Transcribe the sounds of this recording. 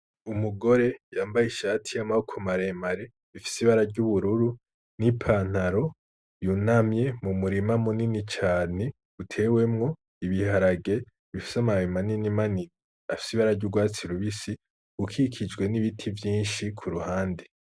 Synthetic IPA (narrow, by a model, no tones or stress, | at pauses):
umuɡo̞ɾe̞jaːmbajiʃaːtʰijamaukʰumaɾe̞maɾe̞ | βifi̥siβaɾaɾɟuβuɾuɾu | nipʰaːn̥aɾo̞ | junamje̞mumuɾimamuninit͡ʃaːne̞ | utʰe̞we̞mŋo̞ | iβihaɾaɡe̞ | βifi̥samaemaninimanini | afi̥siβaɾaɾɟuɡwaːt͡siɾuβisi̥ | ukʰikʰid͡ʒɡwe̞niβitʰivjiːnʃikʰuɾuhaːnde